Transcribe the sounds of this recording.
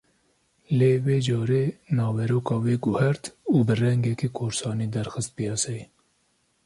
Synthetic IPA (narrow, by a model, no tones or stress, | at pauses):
leːweːd͡ʒɑːɾeːnɑːwɛɾoːkɑːweːɡʊhɛɾt̪uːbɨrɛŋɡɛkikʰoːɾsɑːniːd̪ɛɾxɨst̪̚pijɑsɛj